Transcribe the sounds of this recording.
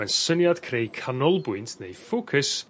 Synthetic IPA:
ansənjad̥kʰrejkʰanɔlˠbʊɨntʰnejfokʰəs

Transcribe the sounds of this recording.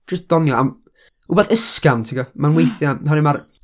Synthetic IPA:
d͡ʒəsd̥ɔnjɔam | ubɛθəskantʰiɡɔmanwejθjaɔnɪmaɾ

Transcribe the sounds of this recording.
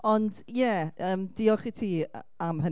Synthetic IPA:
ɔndjɛəːmd̥iɔχitʰiː | amhə

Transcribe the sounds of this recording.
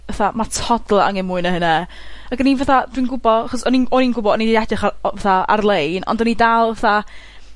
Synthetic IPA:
əθamatʰɔdlˠaa̰ŋɛmuːɨnəhənɛ | aɡənivəθadwinɡʊbɔaχɔsɔninɔninɡʊbɔdɔnidiɛdɨχavəθaa̰rlˠejnɔ̰ndɔnidalˠvəθa

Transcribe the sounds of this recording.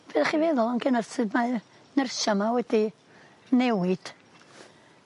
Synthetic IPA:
b̥eðaχivɛðʊlˠɔnɡənarsɨdma | nərʃamawɛdi | nɛwɪd̥

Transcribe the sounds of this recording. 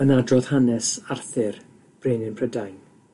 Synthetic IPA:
ənadrɔð̥hanɛsarθɪr | b̥reːnɪnpʰrədajn

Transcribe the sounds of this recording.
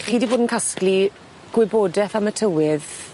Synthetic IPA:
χiːdiboːdn̩kʰaskli | ɡ̥wɪboːdɛθamətʰəwɪð

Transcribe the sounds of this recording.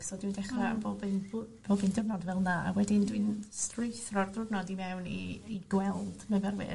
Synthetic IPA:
sɔdwindɛχra̰bobɨnbb̥oːbɨndərnɔdvɛlˠnaa̰wɛdɪndwɨnstrɪjθrɔrðrʊrnɔdimɛwnḭːɡ̥wɛlˠd̥mɛvɛrwɨ̰

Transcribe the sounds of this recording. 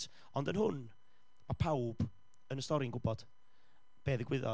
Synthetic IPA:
ɔndənɦʊn | mapʰawb̥ | ənəstɔɾɪənɡʊbɔd̥ | b̥eːðɪɡwɪðɔ̰

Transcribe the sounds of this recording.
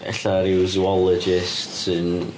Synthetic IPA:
ɛ̰ɬaɾɪwzuɔlˠɔd͡ʒɪstsən

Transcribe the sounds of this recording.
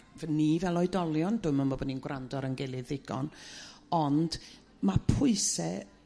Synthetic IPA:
vənivɛlˠɔɨdɔlˠjɔndʊməmɔbɔninɡwrandɔɾənɡɛlˠɨðɪɡɔ̰nɔnd̥ | mapʰʊɨsɛ

